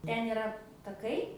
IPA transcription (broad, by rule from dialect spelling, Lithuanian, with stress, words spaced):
ˈtʲɛn ɪˈrɐ tɐˈkɐɪ